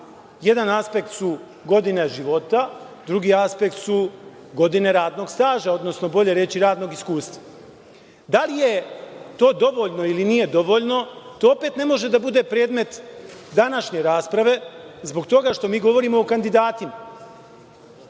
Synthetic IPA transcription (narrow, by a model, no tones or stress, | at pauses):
je̞d̪anaspe̞kt̪su | ɡo̞d̪ine̞ʒiʋo̞t̪a | d̪ɾuɡiːaspe̞kt̪su | ɡo̞d̪ine̞ɾaːd̪no̞ɡst̪aːʒao̞d̪no̞sno̞bo̞ʎe̞ɾe̞t͡ɕiɾaːd̪noɡiskuːst̪ʋa | d̪alije̞t̪o̞ːd̪o̞ʋo̞ʎno̞iliniːje̞d̪o̞ʋo̞ʎno̞t̪oope̞t̪ne̞mo̞ʒe̞d̪abud̪e̞pɾe̞ːd̪me̞t̪d̪anaʃɲe̞ɾaːspɾaʋe̞zbo̞ɡt̪o̞ɡaʃt̪o̞miːɡo̞ʋo̞ɾiːmo̞ːkand̪id̪aːt̪ima